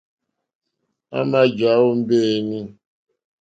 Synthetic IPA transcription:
a̰˦ma˦d͡ʒa˨˦wo˦m̩˦be˦˨mi˦

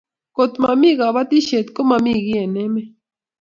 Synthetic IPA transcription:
kot̪mami˦ɡaβat̪i˦ʃe˨t̪ko˦mami˧ɣje˨ne˦me˦

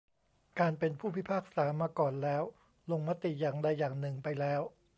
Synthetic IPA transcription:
kaː˧npe˧npʰuː˥˩pʰi˦˥˩pʰaː˥˩k̚saː˩˦maː˧kɔː˨˩nlɛː˦˥w | lo˧ŋma˦˥t̪i˨˩jaː˨˩ŋda˧jːaː˨˩ŋnɯ˨˩ŋpa˧jlɛː˦˥w

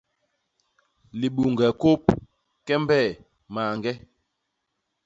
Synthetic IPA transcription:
li˨ɓu˨ŋɡɛ˨ko˦p̚ | kɛ˦mbɛ˦˨ | ma˨ŋɡɛ˦

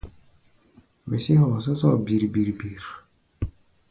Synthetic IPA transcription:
me˨si˦hɔ˨s̬ɔ˦sɔ˦˨bi˨ɾi˨bi˨ɾbi˨ɾ

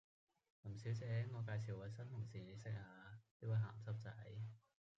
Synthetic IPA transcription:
lmsi˨˥wt͡sɛː˨˧˥ŋɔː˨˧k̬aː˧js̬i˨˩waː˨˧jsɐ˥nʰʊ˨˩ŋsiː˨˩ne˨˧˥sɪ˨˥k̚haː˨˧t̪o˥waː˨˧˩ɦaː˨˩mt͡sɐ˥p̚t͡sɐ˨˥j

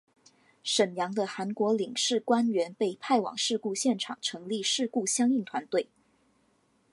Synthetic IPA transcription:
ʂə˨˩njɑ˧˥ŋd̪ə˧xa˧˥nkwɔ˧˥li˨˩ŋʂɻ̩˥˩kwa˥nɥɛ˧˥npe˥˧ɪpʰa˥˩ɪwɑ̰˨˩ŋʂɻ̩˥˧ku˥˧ɕjɛ˥˩nʈ͡ʂʰɑ̰˨˩ŋʈ͡ʂʰɤ˧˥ŋli˥˧ʂɻ̩˥˧ku˥˩ɕjɑ˥ŋi˥˩ŋt̪ʰwa˧˥nt̪we˥˩ɪ

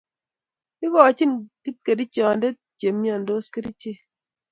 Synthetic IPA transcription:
i˦ɡɔ˨t͡ʃi˦˨nki˦t̚ke˨di˦t͡ʃɔ˨n˦de˦ | t͡ʃe˨mjɔ˨n˨do˦ske˦di˦t͡ʃe˦˨

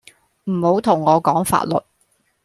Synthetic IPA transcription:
m̩˨˩ho˨˥wt̪ʰʊ˨˩ŋːɔː˨˧kɔː˨˥ŋfa̰ː˧t̚lɵ̰˨t̚

